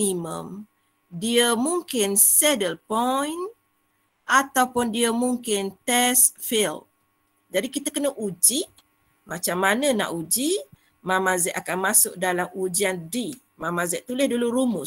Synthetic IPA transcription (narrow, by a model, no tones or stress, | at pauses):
imə̰̃m | diəmuŋkɪnsɛdəlpɔjn | ʔat̪awpʊndiəmuŋkɪnt̪ɛsfil | d͡ʒadikit̪əkənəʔud͡ʒiʔ | mãt͡ʃamːanə̃na̰ʔud͡ʒi | mãmazɛʔakanmãsʊk̚dalamud͡ʒiandi | mãmãzɛʔt̪ulɪhduluɾumʊ